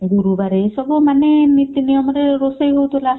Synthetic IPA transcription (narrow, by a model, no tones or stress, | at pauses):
ɡuɾubaɾesɔbumanenit̪ːinijɔmɔɾeɾosajɦowt̪ola